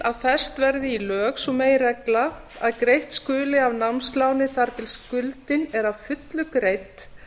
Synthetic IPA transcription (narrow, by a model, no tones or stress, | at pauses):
aðfɛst̪vɛɾðɪilœːxsɔmeːjrɛkla | a̰ðkɾejht̪skʏːlɪavnamsk̪lawnɪθaɾ̥t̪ʰɪlskʏlt̪ɪnɛɾavfʏt̪lʏkɾejt̪